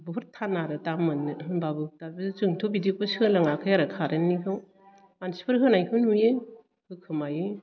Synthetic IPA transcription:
buɦuɾtʰːanaɾɯtamɯnɦɯnbabɯtabɯzzɯŋtʰobidipɯsiɯlaŋakʰɯjaɾakʰaɾɯnːikɯŋ | ansi̥pʰɯɾɦɯnajɦɯnuje | hɯkʰɯmajɯj

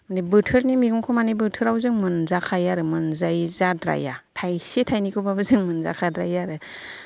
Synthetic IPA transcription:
mndibɯtʰɯɾnimiɡɯŋkʰɔmanibɯtʰɯɾawzɯŋmɯnzakʰajaɾɯmɯnzajzadɾa̰jatʰajsetʰajnikʰɯbabɯzɯŋmɯnza̰kʰadɾajaɾɯ

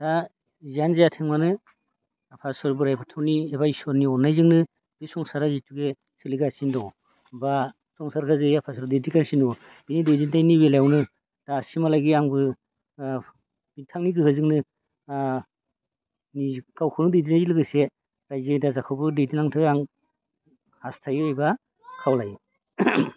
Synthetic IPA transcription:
d̥a | zianzajatʰeŋmanɯ | apʰasɔɾbɯɾajbʰatʰawniebajsɔɾniɔnːajzɯŋnɯ | b̥isɔŋsaɾazituɡe | sɯliɡasindɔw | ba | sɔŋsaɾkʰazɯjapʰasɔɾbdedikansindɔw | b̥inidɯjdintajnibeljawnɯ | d̥asimalajɡiaŋbɯ | b̥intʰaŋniɡɯhɯzɯŋnɯ | niɡawkʰɯnɯdɯjdinajzilɯɡɯse | ɾajzedazakʰawbɯdejdinaŋtʰɯaŋ | hastʰajɔɔjba | kʰawlaj

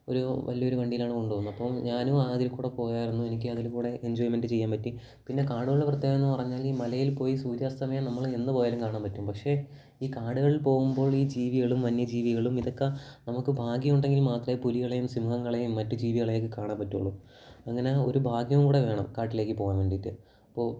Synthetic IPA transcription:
o̞̰ɾuʋɐ̰ljɐo̞ɾuʋɐɳɖijilaːɳɨko̞ɳɖuʋoːnːɐpːoːɲaːnuaːɐðilkuːɽepo̞ːjaːjiɾunːue̞nikʲːɨɐðilkuːɽe̞ʔeɲd͡ʑoːjime̞ndɖɨt͡ɕejːaːmpɐtːi | pinːe̞kaːɽuɣɐɭeprɐt̪ːjeːɣɐenːupɐrɐɲːaːliːmɐlɐjilpo̞ːjisuːdjɐst̪ɐmejnɐmːɐɭenːɨpo̞ːjaːlumkaːɳaːmpɐtːumpɐkʂe̞ | iːkaːɽɨɣɐɭilpo̞ːɣumbo̞ːɭiːd͡ʑiːʋiɣɐɭumʋɐnjɐd͡ʑiːʋiɣɐɭumiðo̞kːenɐmukːɨbʱaːɡjɐmuɳɖe̞ŋɡilmaːt̪rɐjepuliɣɐɭejumsimuɦɐŋːɐɭejumːɐtːud͡ʑiːʋiɣɐɭejkːɨkaːɳaːmpɐtːṵɭːu | ɐŋːɐneo̞̰ɾubʱaːɡjɐʋumkuːɽe̞ʋe̞ːɳɐ̰mkaːʈːile̞ːkːɨpo̞ːɣaːnmʋeːɳɖit̪ːɨ | ɐɐpːo̞ː

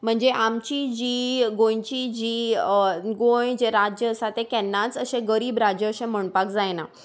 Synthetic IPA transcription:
m̤əɳd͡zeʔamt͡ɕid͡ʑiːɡõjt͡ɕid͡ʑiː | ɡojd͡ʑeɾad͡ʑjəəsat̪ekɛnːat͡səɕẽɡəɾiːbɾad͡ʑjəːɕẽm̤əɳpakd͡zajna

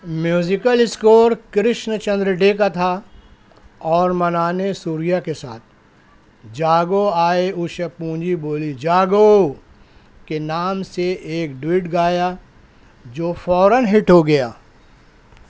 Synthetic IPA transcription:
mjuːzɪkəlɪskoːɾkɾɪʃnt͡ʃɐ̃nd̪ɾəɖeːkat̪ʰa | ɔːɾmɐnaːnesuːɾijakesaːt̪̚ʰ | d͡ʒaːɡoaːeʊʃəpũːɲd͡ʒiboːlid͡ʒaːɡo | kenaːmseʔeːkɖwiːʈɡaːja | d͡ʒoːfɔːɾənɦɪʈɦoɡɐja̰ː

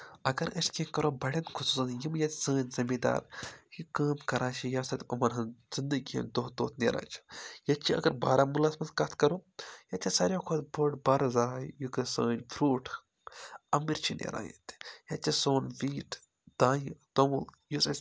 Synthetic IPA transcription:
ɐɡɐɾəʃkẽkɐɾoːbɐɽʲɐnkʰusuːsɐnjimjɐt̪ʲsəːnʲzɐmiːd̪a̰ːɾjikaːmkɐɾʔãːt͡ʃʰijaːsɐt̪ʲɐmɐnɦɐnz̥ind̪əɡʲijɐ̰nd̪oːd̪oːt̪ʰnḛːɾã̰ːt͡ʃʰi̥jɐt͡ʃʰiɐ̰ɡɐɾbaːɾaːmulaːsmɐnskɐt̪ʰkɐɾujɐt̪ʲʰisɐɾʲjõːkʰoːt̪boʈbaːɾzaːjjukɨsəːnʲfʰɾuːʈʰ | ɐmiɾt͡ʃʰinḛɾa̰ːjɐ̰t̪ʰjɐt͡ʃʲːisoːnʋiːʈ | d̪̥aːjit̪ɐmuljusɐ

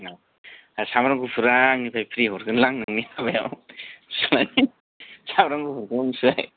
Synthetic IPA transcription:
na | asamɾaŋɡupʰɯɾaŋnipʰajpʰɾiɦɔɾɡɯnlaŋnɯŋniabaja̰wsalani | samɾaŋɡupʰuɾkaŋsɯaj

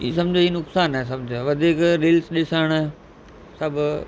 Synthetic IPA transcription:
isɐ̃md͡ʑoiːnʊksaːneːs̬ɐmd͡ʑʋɐd̪ʱiːkɾɪːlsɗɪsəɽ̃ | sɐbʱʊ

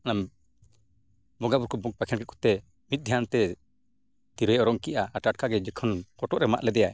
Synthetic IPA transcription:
anam | bɔŋɡabuɾkɔbɔɡ̚pakʰɛnkɛʔ̚kɔ̥t̪ɛ | mit̪̚ˀd̪ʱjant̪ɛ | t̪iɾɔɛʔɔɾɔŋkiʔaːʈaʈ̚kʰaɡɛd͡ʒəkʰənkɔʈɔʔɾɛma̰ʔlɛd̪ɛjaj

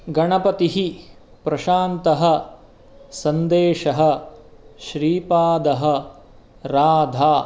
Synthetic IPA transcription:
ɡɐɳɐpɐt̪iɦi | pɾɐʃaːnt̪ɐɦɐ̆ | sɐnd̪eːʃɐɦɐ̆ʃɾiːpaːd̪ɐɦɐ̆ | ɾaːd̪ʱaː

